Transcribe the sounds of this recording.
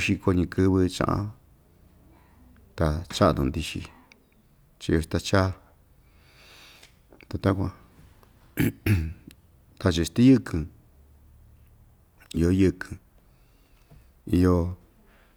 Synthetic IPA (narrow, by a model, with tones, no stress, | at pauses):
ʃi˧ko˧ɲĩ˧kɨ˦˧βɨ˧t͡ʃã̰˧ʔã̰˧ | t̪a˧t͡ʃa˦˧d̪ũ˧˨nd̪i˧ʃḭ˧ | t͡ʃi˧o˧ʃt̪a˧t͡ʃa˦˧ | t̪a˨˧t̪a˦kʷã˧ | t̪a˧t͡ʃi˧st̪i˦jɨ˦kʰɨ̃˧ | i˧jo˧jɨ˧kʰɨ̥̃˧ | i˧jo˧